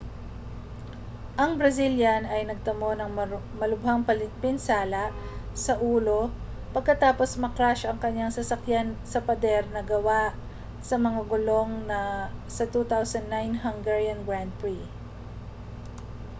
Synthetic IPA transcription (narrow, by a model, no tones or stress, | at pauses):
ʔɐŋbɾɐsiljɐnɐjnɐɡ̚t̪ɐmo̞nɐŋ | mɐlʊbhaŋpɐlpɪnsaːlɐʔ | sɐʔuːlo̞ | pɐɡ̚kɐt̪aːpo̞smɐkɾaʃʔɐŋkɐɲjaŋsɐsɐkjansɐpɐd̪ɛɾnɐɡɐwaʔ | sɐmɐŋaɡʊlo̞ŋnɐsɐt̪ut̪awsɐnd̪najnɦɐŋɡɛɹjɐnɡɹand̪̚pɹi